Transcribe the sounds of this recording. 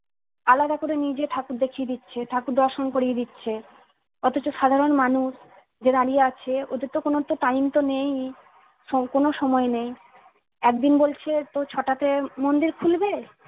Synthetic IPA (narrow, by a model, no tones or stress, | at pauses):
alad̪akoɾenid͡ʑeʈʰakuɾd̪ekʰied̪itːɕʰeʈʰakuɾd̪ɔɾʃonkoɾied̪itːɕʰe | ɔt̪ot͡ɕoʃad̪ʱaɾonmanuʃ | d͡ʑed̪aɽijeat͡ɕʰeo̰d̪eɾt̪okonot̪ot̪ajnt̪onej | ɔkonoʃɔmɔenej | ɛk̚d̪inbolt͡ɕʰet̪ot͡ɕʰɔʈat̪emond̪iɾkʰulbe